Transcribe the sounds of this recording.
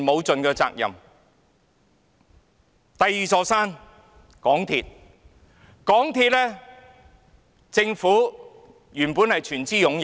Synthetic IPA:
mo˨˧wt͡sɵ˨nkɛː˧t͡sa̰ː˧k̚jɐ̰˨m | t̪ɐ˨jːiː˨t͡sɔː˧saː˥n | kɔː˨˥ŋt̪ʰiː˧t̚ | kɔː˨˥ŋt̪ʰiː˧t̚lɛː˥ | t͡sɪ˧ŋfuː˨˥ | jyː˨˩npuː˨˥nhɐ˨jt͡ʃʰyː˨˩nt͡siː˥jʊ˨˧˥ŋ

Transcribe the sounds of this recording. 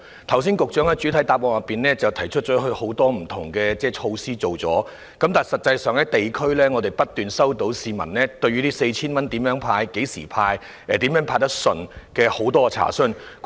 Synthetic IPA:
t̪ʰɐ˨˩ws̬iː˥nkʊ˨k̚t͡ʃœː˨˥ŋhɐ˨˧jt͡ʃy˨˥t̪ʰɐ˨˥jt̪aː˨˧p̚wɔː˨˩jɐ˨pːiː˨nlɛː˥t͡sɐ˨wt̪ʰɐ˨˩jt͡ʃʰɵ˥t̚t͡ʃɔː˨˥hɵ˧ɥho˨˥wt̪ɔː˥m̩˨˩t̪ʰʊ˨˩ŋkɛː˧t͡sɛː˥˩t͡ʃʰo˧wsiː˥t͡so˨wt͡sɔ̰ː˨˥ | kɐ˨˥mt̪aː˨˩jsɐ˨t̚t͡sɐ˧jsœː˨˩ŋɛː˥t̪e˨jkʰɵ˥ɥlɛː˥ŋɔː˨˧t̪e˨˩jpɐ˥t̚t̪yː˨nsɐ˥wt̪o˨˥wsiː˨˧mɐ̰˨˩nlɛː˥t̪ɵ˧ɥyː˥t̪iː˥se˧jt͡ɕʰiː˥nmɐ˥nt̪i˨˥mjœː˨˥ŋpʰaː˧jke˨˥jsḭː˨˩pʰaː˧j | ɛ˨˩t̪i˨˥mjœː˨˥ŋpʰaː˧j̚t̪ɐ˥k̚sɵ˨nkɛː˧ho˨˥wt̪ɔː˥˧t͡sʰa̰ː˨˩sɵ˥n | k

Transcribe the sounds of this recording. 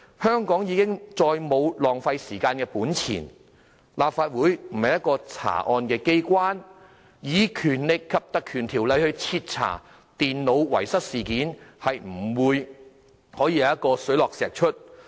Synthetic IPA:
hœː˥ŋkɔː˨˥ŋjiː˨˧kɪ˥ŋt͡sɔː˧jmo˨˧wlɔː˨˩ŋfɐ˧jsiː˨˩kaː˧nkɛː˧puː˨˥nt͡sʰḭː˨˩n | laː˨p̚faː˧t̚wuː˨˥jm̩˨˩hɐ˨˩jɐ˥t̚kːɔː˧t͡sʰa̰ː˨˩ʔɔː˧nkɛː˧ke˥jkʷwaː˥n | jiː˨˥kʰyː˨˩nlɪ˨kʰːɐ˨p̚t̪ɐ˨kʰːyː˨˩nt̪ʰiː˨˩wlɐ˨˧jhɵ˧t͡sʰiː˧t̚t͡sʰa̰ː˨˩ | t̪iː˨nlo˨˧wwɐ̰˨˩jsɐ˥t̚siː˨˩kiː˨˥nhɐ˨jm̩˨˩wuː˨˧j | hɔː˨˥jiː˧jɐ˨˦jɐ˥t̚kɔː˧sɵ˨˥jlɔː˨k̚sɛː˨˩k̚t͡ʃʰɵ˥t̚

